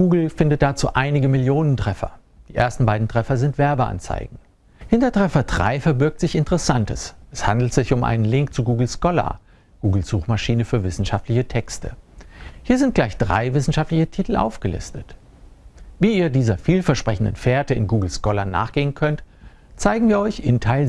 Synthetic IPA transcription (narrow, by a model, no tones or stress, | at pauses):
ɡ̥uːɡl̩fɪndət̚d̥at͡sṵːʔaɪnɪɡəmɪljoːnəntʁ̥ɛfɐ̰ | d̥iːʔḛːɐstn̩baɪdn̩tʁ̥ɛfɐzɪntv̥ɛɐbəʔa̰nt͡sa̰ɪɡŋ̩ | hɪntɐtʁ̥ɛfɐdʁa̰ɪfɛɐbɪɐk̚tz̥ɪçɪntəʁɛsantəsʔɛshandl̩tz̥ɪçʊmʔa̰ɪnənlɪŋk̚t͡suɡuːɡl̩skɔlɐ̰ | ɡ̥uːɡl̩z̥uːxmaʃiːnəfyːɐvɪsn̩ʃaftlɪçətʰɛkstʰə̰hiːɐzɪnt̚ɡ̥laɪçd̥ʁa̰ɪvɪsn̩ʃaftlɪçətʰitʰl̩ʔa̰ʊfɡ̥əlɪ̰stət | viːiːɐdiːzɐfiːlfɛɐʃpʁ̥ɛçn̩dənfeːɐtəɪ̰nɡuːɡl̩skɔlɐnːa̰ːχɡ̥eːənkʰœnt | t͡saɪɡŋ̩viːɐɔʏçɪntʰaɪl